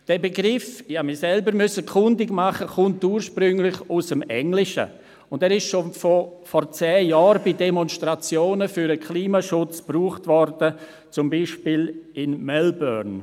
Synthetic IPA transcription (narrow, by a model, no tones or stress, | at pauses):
d̥ɛːbeɡɾɪfaːmɪsɛlbəɾmʏsəkʰʊndɪɡmaχəkʊntuːɾʃpɾʏŋlɪçusəmɛŋlɪʃə̰ | ʊndɛːɾɪʃʃofɔfɔɾt͡sɛːjɑːɾbidɛmɔnstrat͡sjoːnəfyɾəkʰliːmaʃʊt͡spruːχtvɔɾd̥ə | t͡sʊmbiːʃpiːlɪnmɛlbœn